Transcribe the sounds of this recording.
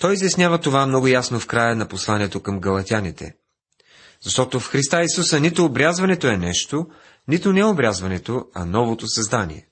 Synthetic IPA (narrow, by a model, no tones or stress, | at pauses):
t̪ɔjizjɐsnʲjavət̪ovamnɔɡʊjasnofkɾajənɐposlˠaniɛt̪okɐmɡɐlˠɐt̪ʲanit̪ɛ̰ | zɐʃt̪ɔt̪ofxɾist̪aisusənit̪ʊːbɾʲazvɐnɛt̪oɛnɛʃt̪o | nit̪ʊnɛobɾʲazvɐnɛt̪oɐ̰nɔvot̪osɐzd̪anʲḭɛ̰